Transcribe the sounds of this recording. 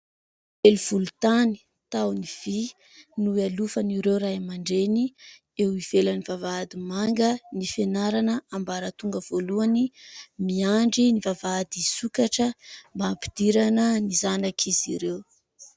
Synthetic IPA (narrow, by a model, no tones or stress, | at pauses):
eluv̥ulut̪ani̥ | t̪awniv̥i | nualufaniɾewɾajmaɳɖ͡ʐeni | ewivelanivavad̪imaŋɡənifenaɾanəambaɾət̪uŋɡəv̥oluanimiaɳɖ͡ʐinivavad̪isukaʈ͡ʂəmbampi̥d̪̥iɾanənizanakʰiziɾew